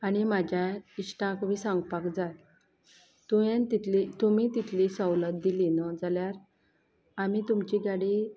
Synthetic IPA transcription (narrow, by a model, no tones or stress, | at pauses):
añimad͡ʑʱjaisʈãkʋisãŋɡpakd͡zat̪ | t̪uẽnt̪it̪lit̪umit̪it̪ʰlisɔwlət̪̚d̪ilinɔd͡zaljaɾ | amit̪umt͡ɕiɡaɽi